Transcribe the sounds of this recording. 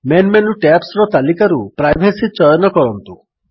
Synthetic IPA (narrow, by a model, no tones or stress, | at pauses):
menmenuʈapsɾɔt̪alikaɾupɾajbʱesit͡ʃɔjɔnɔkɔɾɔnt̪u